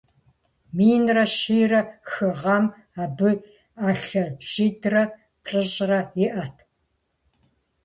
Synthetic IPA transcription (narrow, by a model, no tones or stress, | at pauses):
miːnrɐʃiːrɐxɨʁɐm | aːbɨ | aːɬɐʒ̥iːdrɐ | pɬʼɨɕʼrɐjɪʔɐtʰ